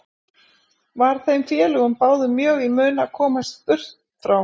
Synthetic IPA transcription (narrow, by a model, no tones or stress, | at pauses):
vaɾ̥θejmfjɛːlʏɣʏmpaːwðʏmjœːɣimœːnakʰɔːmast̪ʏr̥t̪ | fɾaw